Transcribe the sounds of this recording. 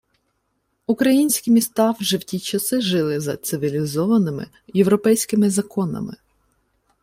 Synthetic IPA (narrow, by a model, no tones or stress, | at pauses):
ukɾɐjinʲsʲkʲimʲist̪ɑwʒɛwtʲit͡ʃɐsɪʒɪlˠɪzɐt̪sɪʋʲilʲizɔʋɐnɪmɪ̰ | jewɾɔpɛjsʲkɪmɪzɐkɔnɐ̰mɪ̰